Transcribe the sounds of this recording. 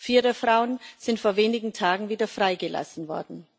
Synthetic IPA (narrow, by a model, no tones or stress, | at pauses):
fiːʁəfʁ̥aʊənz̥ɪntfoːɐveːnɪɡŋ̩tʰaːɡŋ̩viːdɐfʁ̥aɪɡəla̰sn̩vɔ̰ɐdn̩